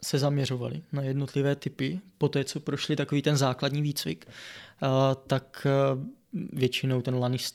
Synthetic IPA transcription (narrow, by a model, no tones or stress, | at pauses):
sɛzamɲɛro̞va̰lɪ̰najɛdnot̪lɪvɛːt̪ɪpɪpo̞t̪ɛːt͡so̞pɾoʃlɪt̪ako̞viːt̪ɛnzaːkladɲiːviːt͡svɪ̰k | t̪ak | vjɛt͡ʃɪno̞wt̪ɛnlanɪst̪